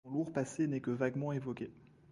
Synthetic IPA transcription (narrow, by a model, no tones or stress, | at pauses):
luʁpasenɛkəvaɡmɑ̃evɔkʲe